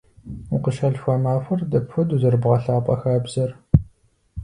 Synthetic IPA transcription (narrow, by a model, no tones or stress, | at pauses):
uqəʃɐɮxʷɐmaːfɐrdɐpxʷʊduzɐrbʁɐɬaːpʼɐxaːbz̥ɐr